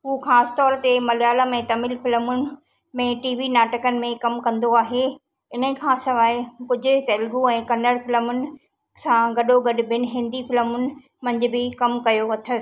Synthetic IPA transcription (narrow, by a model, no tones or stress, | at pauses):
ɦuːxaːsɪ̥̆t̪ɔːɾt̪emɐljaːlamẽt̪ɐmɪlfɪləmʊnɪ̆ | mẽʈiːʋinaːʈəkənɪ̆mẽkɐmkɐ̃nd̪oaːɦe | ɪnə̆kʰãsɐʋaːekʊd͡ʑʱʊ̆t̪eːlɡuɛ̃ːkɐnəɽfɪləmʊnɪ̆ | sãɡɐɗoɡɐɗʊ̆bʱɪnɪ̆ɦɪ̃nd̪ifɪləmʊnɪ̆ | mɐ̃ɲd͡ʑʊ̆bɪkɐmkɐjoʋɐt̪ʰə